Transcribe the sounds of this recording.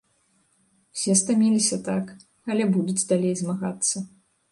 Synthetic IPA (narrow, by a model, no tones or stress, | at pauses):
sʲɛst̪amʲilʲisʲɐt̪ak | ɐlʲɛbud̪ut͡sʲd̪alʲejzmaɣat̪sːɐ